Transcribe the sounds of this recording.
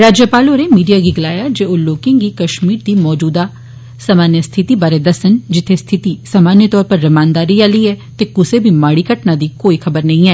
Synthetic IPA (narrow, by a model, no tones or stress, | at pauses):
ɾaːd͡ʒjəpaːloːɾemiːɖijaːɡiɡɐlaːjaːd͡ʒeːoːloːkɪ̃ŋɡiːkəʃmiːɾd̪iːmɔːd͡ʒuːd̪aː | samaːnjəst̪ʰɪt̪ibaːɾed̪əsənd͡ʒɪt̪ʰːest̪ʰɪt̪isaːmaːnjət̪ɔːɾpəɾːɐmaːnd̪aːɾiaːliːɛːt̪eːkʊsebʱiːmaːɽiːkəʈnad̪iːkoːikʰəbəɾnɐɦĩɛː